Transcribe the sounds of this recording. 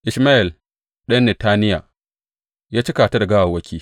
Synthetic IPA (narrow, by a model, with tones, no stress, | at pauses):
ʔɪ˨ʃmaː˦ʔɪ˨l | ɗɐ˦nːɛ˨taː˦nɪ˦ja̰˨ | jaː˦t͡ʃi˦kaː˨ta˦da˨ɡa˦wa˨wɐ˦kʲʰiː˦